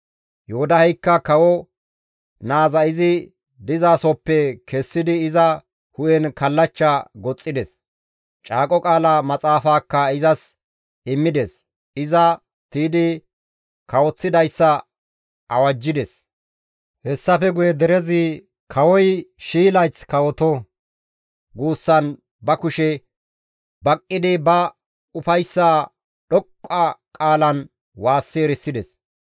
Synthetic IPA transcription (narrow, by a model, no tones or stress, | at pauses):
jɔhʊd̪ɐhɛjkːɐkɐwɔ | naːzɐɪzɪ | d̪ɪzaːsɔpːɛkɛsːɪd̪ɪːzɐ | hʊjɛnkɐlːɐt͡ʃːɐɡɔt͡sʼːɪd̪ɛs | t͡ʃʼaːkʼɔkʼaːlɐmɐt͡sʼaːfaːkːɐɪzɐs | ɪmːɪd̪ɛs | ɪzɐ | t̪iːd̪ɪ | kɐwɔt͡sːɪd̪ɐjsːɐ | ʔɐwɐd͡ʒːɪd̪ɛs | hɛsːɐfɛɡʊjɛd̪ɛɾɛzɪ | kʰɐwɔjʃiːlɐjt͡skɐwɔt̪ɔ | ɡuːsːɐn | bɐkʊʃɛ | bɐkʼːɪd̪ɪbɐ | ʊfɐjsːaː | ɗɔkʼːɐkʼaːlɐn | waːsːeːɾɪsːɪd̪ɛs